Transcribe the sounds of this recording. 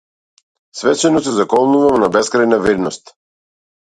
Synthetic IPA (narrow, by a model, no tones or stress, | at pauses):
svɛt͡ʃɛnɔsɛzakɔlˠnuvamnabɛskɾajnavid̪nɔst̪